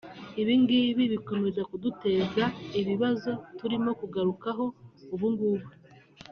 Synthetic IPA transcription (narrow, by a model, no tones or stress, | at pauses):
iβiŋɡiβiβiko̞me̞zakudute̞ːzaiβiβazo̞tuɾimo̞kuɡaɾukaɦo̞uβuŋɡuːβu